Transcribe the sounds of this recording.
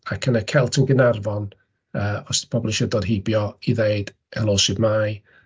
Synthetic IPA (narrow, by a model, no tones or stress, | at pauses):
akʰənəkʰɛlˠtʰəɡənarvɔn | əːɔspʰɔbɔlˠiʃədɔdɦɪbjɔiðeɨd̥ | ɛlˠɔːʃɪdmaːj